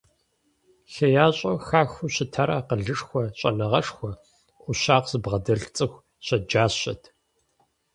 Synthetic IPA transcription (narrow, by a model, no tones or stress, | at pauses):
ɬɐjaːɕʼɐxaːxʷuɕɪtʰɐɾaqəɮɨʂxʷɔɕʼɐ̰nɐʁɐʂxʷɔ | ʔʷʊɕaːqz̥ɨbʁɐdɐɬt͡sʼɨxʷ | ɕɐd͡ʒaːɕɐ̰tʰ